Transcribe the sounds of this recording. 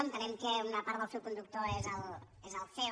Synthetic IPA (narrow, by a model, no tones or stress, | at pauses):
ont̪ɐnɛmkeunɐpaɾðəlˠsewkund̪uk̚t̪oezəlˠ | ezɐlˠθe